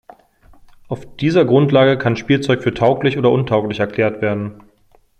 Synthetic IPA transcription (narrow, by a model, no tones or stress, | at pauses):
ʔaʊfd̥iːzɐɡʁʊntlaːɡəkʰanʃpiːlt͡sɔʏkfyːɐtʰaʊklɪçʔoːdɐʔʊntʰaʊklɪçɛɐkl̥eːɐtv̥eːɐdn̩